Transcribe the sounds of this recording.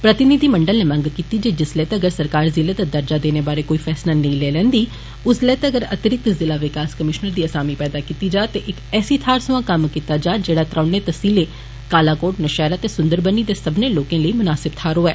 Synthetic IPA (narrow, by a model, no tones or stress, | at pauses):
pɾət̪ɪnɪd̪iːməɳɖəlneːmə̃ŋɡkiːt̪iːd͡ʒeːd͡ʒɪslɛːt̪aəɡəɾsəɾkaːɾzɪleːd̪ad̪əɾd͡ʒaːd̪eːneːbaːɾeːkoːiːfʰɛːslaːnə̃ĩlɛːlɛ̃ːnd̪iː | ʊslɛːt̪aəɡəɾət̪ɾɪk̚t̪zɪlaːʋɪkaːskəmɪʃnəɾd̪iːəsaːmiːpɛːd̪aːkiːt̪iːd͡ʒaːt̪eːʔɪkɛːsiːt̪ʰaːɾsʊãːkəmkiːt̪aːd͡ʒaːd͡ʒeːɽaːt̪ɾãːɳeːt̪əsiːleː | kaːlaːkoːʈnəʃɛːɾaːt̪eːsʊ̃nd̪əɾbəniːd̪eːsəbneːloːkẽːləiːmʊnaːsɪb̚t̪ʰaːɾoːɛː